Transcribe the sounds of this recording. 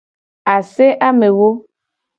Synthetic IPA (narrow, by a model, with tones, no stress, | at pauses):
a˨se˦ʔa˦me˨wo˦